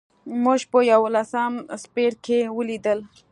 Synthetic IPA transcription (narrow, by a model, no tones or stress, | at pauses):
muʒpəjawlasamspeɾkewəlid̪əl